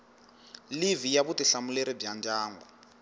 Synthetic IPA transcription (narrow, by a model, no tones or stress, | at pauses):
livijaβutiɬamuleɾib͡ʐjand͡ʒaːŋɡɔ